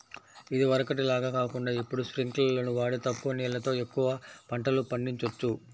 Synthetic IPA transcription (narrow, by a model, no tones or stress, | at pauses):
id̪iʋɐɾɐkɐʈilaːɡɐkaːkuɳɖaːipːuɽuspɾiŋklɐlo̞ːnuʋaːɽut̪ɐkːuʋɐnɛːlɐt̪o̞ːe̞kːuʋɐpɐɳʈɐlupɐɳɖiɲt͡ʃɐt͡ʃːu